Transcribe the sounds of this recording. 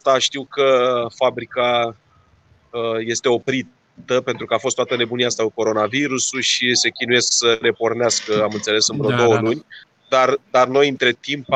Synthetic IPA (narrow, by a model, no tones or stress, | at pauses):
t̪aʃt̪iwkəfabɾika | əje̞st̪e̞o̞pɾi | t̪əpe̞nt̪ɾukəafost̪wat̪əne̞buniast̪auko̞ɾo̞naviɾusuʃise̞kʲinuje̞sksəɾe̞po̞rneaskəamɨnt̪se̞le̞sɨnbɾod̪o̞wəlunʲ | d̪ard̪arno̞jɨnt̪ɾe̞t̪imp